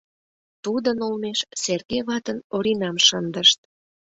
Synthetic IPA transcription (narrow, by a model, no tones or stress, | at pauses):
t̪ud̪ənolmeʃserkeβɑt̪ənoɾinɑmʃənd̪əʃt̪̚